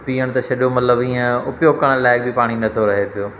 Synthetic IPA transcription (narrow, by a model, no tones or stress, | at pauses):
piːəɽ̃t̪ɐʃɐɗomɐt̪ləbĩːẽʊpjoːkəɽ̃laːɪk̚bɪpaːɽ̃inɐt̪ʰoɾɐɦepɪjoː